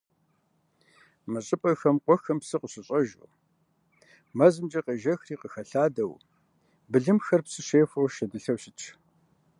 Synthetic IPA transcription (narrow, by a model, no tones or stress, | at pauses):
mɨɕʼɪpʼɐxɐmqʷɔxɐmpsɨqʼəɕʼɪɕʼɐʒʊ̰ | mɐzɨmd͡ʒɐqɐʒɐxriːqəxɐɬaːdɐw | bɨɮɨmxɐrpsɨɕeːfɐwʃɐdɨɬɐwɕɪt͡ʃʰ